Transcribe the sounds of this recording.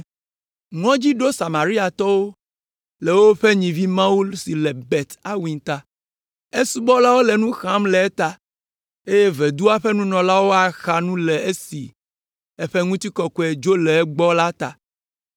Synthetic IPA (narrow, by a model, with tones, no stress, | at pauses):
ŋɔ̃˦d͡ʑi˦ɖo˦sa˨mã˨ɾi˦a˨t̪ɔ˦wo˦ | le˨wo˦ɸɛ˦ɲĩ˨vi˦mã˦u˦lsi˨lɛ˨bɛ˨t̪a˦wĩ˨t̪a˦ | e˦su˦bɔ˦la˦wo˦lɛ˨nũ˦xã˦mlɛ˨ɛ˦t̪a˨ | e˦je˦vɛ˨d̪u˦a˦ɸɛ˦nũ˦nɔ̃˨la˦wo˦a˨xa˨nũ˦lɛ˨e˦sḭ˨ | ɛ˦ɸɛ˦ŋũ˦t̪i˦kɔ˨kɔ˦ɛ˨d͡ʒo˦lɛ˨ɛ˦ɡ͡bɔ˦la˦t̪a̰˨